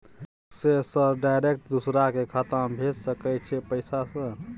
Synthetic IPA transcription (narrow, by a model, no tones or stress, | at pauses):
sesəɖajɾek̚ʈd̪usɾakekʰət̪ambʱed͡ʒsəkət͡ʃʰɛpəɪsasə̃